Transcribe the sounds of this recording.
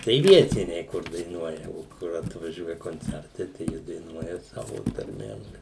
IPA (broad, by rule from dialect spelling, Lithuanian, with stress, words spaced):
tɐɪ ˈʋʲiɛtʲɪnʲɛɪ kʊr dɐɪˈnuɔjɛ oː ˈkʊr ɐtʋɐˈʒʲuɔjɛ koːnʲˈt͡sʲɛrtɐɪ tɐɪ ˈjiɛ dɐɪˈnuɔjɛ ˈsɑːʋoː tɐrʲˈmʲeːm